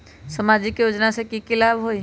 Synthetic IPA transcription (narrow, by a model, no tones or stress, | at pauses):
səmad͡ʒikjod͡ʒnasekikilabɦoj